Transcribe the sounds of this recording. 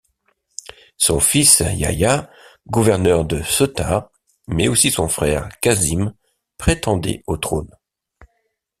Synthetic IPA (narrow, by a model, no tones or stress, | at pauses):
sɔ̃fisja̰ja | ɡuvɛʁnœʁd̪əsɔt̪a̰ | mɛosisɔ̃fχɛʁkazim | pχet̪ɑ̃d̪ɛ̰ot̪χon